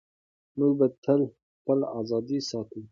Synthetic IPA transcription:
mubət̪ʰəl | pəlɑːzɑːd̪isɑːt̪ʰũ

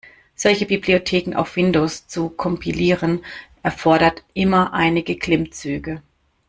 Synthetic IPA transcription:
z̥ɔlçəbibliotʰeːkŋ̩ʔa̰ʊfv̥ɪndoːst͡sukʰɔmpʰiliːʁənʔɛɐfɔɐɾɐtʔɪmɐʔaɪnɪɡəkʰl̥ɪmt͡syːɡə

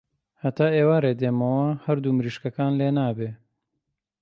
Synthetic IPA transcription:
hɐt̪aːeːwaɾeːd̪eːmɐwɐhɐɾd̪uːmɾiːʃkɐkaːnleːnaːbeː

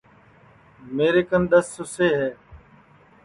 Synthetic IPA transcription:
meːɾeːkənɗ̪əsːʊseːɦɛː

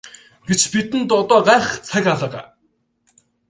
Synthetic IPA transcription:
ɡ̥et͡ɕpit̪ɘ̆nt̪ɔt̪ɔːɢaːχt͡sʰækʲaɮə̆ːʁæ̰ː

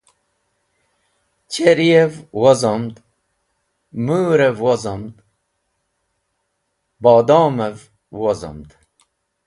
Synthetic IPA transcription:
t͡ɕʰeɾievwozomd̪ | muːɾevwozomd̪ | bɑːd̪oːmev | wozo̰md̪

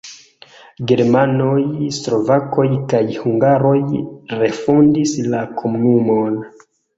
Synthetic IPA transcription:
ɡe̞ɾmanojslo̞vako̞jkajhuŋɡaɾo̞jɾe̞fundislakʰomunumon

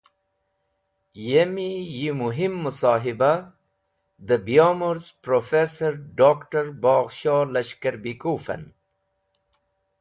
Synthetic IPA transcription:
jemijimuɦimːʊsɑːɦiba | d̪əbijaːmoɾzpɾofeːsɐɾɖaːkʈɐɾbɑːɣʃɑːlɐʃkɐɾbikuːfɐ̰n

